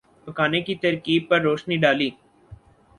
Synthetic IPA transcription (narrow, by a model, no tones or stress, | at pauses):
pəkaːnekit̪əɾkiːb̚pəɾːoːʃniːɖaːliː